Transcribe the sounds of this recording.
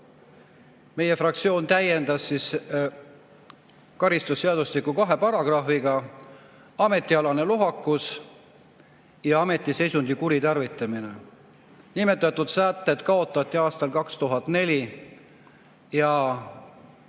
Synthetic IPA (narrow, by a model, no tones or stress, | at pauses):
me̞je̞frɑk̚t̪sio̞ːnt̪æje̞nd̪̥ɑsːis | kɑɾist̪usːeɑd̪uslikːukɑɦe̞pɑɾɑɡ̥rɑfiɡ̥ɑ | ɑme̞t̪ːˑiɑlɑne̞luɦɑkːˑus | jɑɑme̞t̪ːˑise̞jsund̪̥ikuɾit̪ɑrvit̪ːˑɑmine̞ | nime̞t̪ːˑɑt̪ːˑud̪̥sæːt̪ːˑet̪kɑo̞t̪ːˑɑt̪ˑːiɑːst̪ɑlkɑkst̪uɦɑt̪ːˑne̞lʲi | jɑ